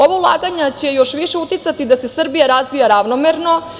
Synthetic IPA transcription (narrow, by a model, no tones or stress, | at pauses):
o̞ʋaulˠa̰ɡaɲat͡ɕe̞jo̞ʃʋiʃe̞ut̪it̪sat̪id̪ase̞sr̩bijaɾazʋijaɾaʋnomeɾno̞